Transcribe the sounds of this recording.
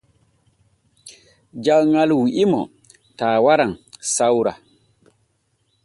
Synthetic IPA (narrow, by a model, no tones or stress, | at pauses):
d͡ʒawŋalwiʔimɔ | taːwaɾaŋsawɾa